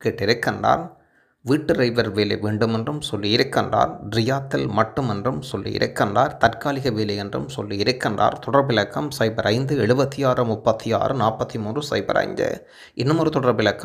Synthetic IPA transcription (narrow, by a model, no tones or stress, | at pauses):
keːʈːɪɾɯkːɐɳɖa̰ːɾ | ʋiːʈːɯɾɐɪʋɐɾʋeːlḛʋeːɳɖɯmɛndrɯmsɔlːiɪɾɯkːɐɳɖa̰ːɾɖɾɪjaːt̪ːɪlmɐʈːɯmɛndrɯmsɔlːḭjɪ̰ɾɯkːɐɳɖa̰ːɾt̪ɐɾkaːlɪɣɐʋeːlejɛndrɯ̰msɔlːiɪɾɯkːɐɳda̰ːɾt̪ɔɽɐɾbɪlɐkːɐmsɐɪbɐɾʔɐɪnd̪ɯɛɻɯbɐt̪ːijaːɾɯmʊpːɐt̪ːija̰ːɾɯnaːɾpɐt̪ːimuːndrɯsɐ̰ɪbɐ̰ɾʔɐ̰ɪnd̪ɯ̰ | ʔɪnːɯmʊɾɯt̪ɔɽɐɾbɪlɐkːɐ